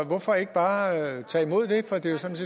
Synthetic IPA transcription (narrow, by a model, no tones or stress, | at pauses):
ʋɒfɒ̽e̝ɡ̥əb̥ɑ̈ːt͡sʰɑ̰ːimo̝ð̰ˠd̥e̝fɒ̽d̥e̝jo̝sɑmse